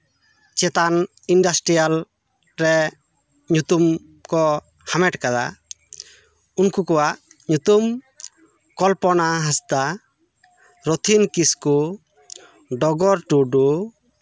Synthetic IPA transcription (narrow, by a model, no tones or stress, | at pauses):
t͡ʃɛt̪an | inɖasʈɾijal | ɾɛ | ɲut̪um | kɔ | hamɛʈkad̪a̰ | unkukɔwaʔ | ɲut̪um | kɔlpɔnaɦasd̪a | ɾɔt̪ʰinkisku | ɖɔɡɔɾʈuɖu